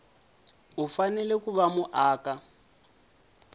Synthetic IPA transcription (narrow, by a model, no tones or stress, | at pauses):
ufanɛlɛkuβamuʔaːka